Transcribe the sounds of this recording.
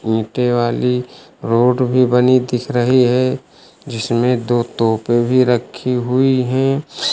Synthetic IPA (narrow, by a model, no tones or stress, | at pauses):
ĩːʈeʋaːli | ɾoːɖbʱibɐnid̪ɪkʰɾəɦiɦɛ | d͡ʒɪsmẽd̪oːt̪oːpebʱiɾəkʰːiɦʊiɦɛ̃ː